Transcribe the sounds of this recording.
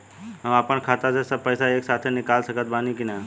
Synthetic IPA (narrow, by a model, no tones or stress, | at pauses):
ɦɐapənkʰaːt̪asesɐb̚pɛjsaeːksaːt̪ʰenɪkaːlsəkət̪̚baːnikina